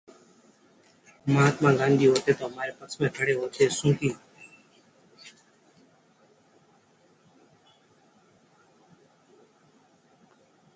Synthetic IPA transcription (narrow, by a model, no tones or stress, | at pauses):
mɦaːt̪mãːɡãːnd̪iːɦoːt̪eːt̪oːmaːɾeːpəsmẽːkʰəɽeːɦoːt̪ʰeːsũːk̪iː